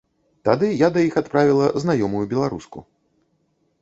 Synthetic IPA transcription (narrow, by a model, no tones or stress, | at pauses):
t̪ad̪ɨjad̪ɐjixat̪pɾavʲilˠɐznajɔmujubʲɛlˠaɾuskṵ